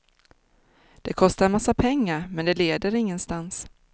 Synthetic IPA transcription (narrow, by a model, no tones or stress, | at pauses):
d̪̥ɛkʰɔst̪aɾmasːapʰɛŋːaɾmɛnd̪ɛleːd̪əɾɪŋːənst̪ans